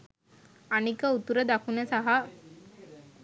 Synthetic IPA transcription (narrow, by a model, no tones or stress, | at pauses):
anikəut̪uɾəd̪akunəsaɦa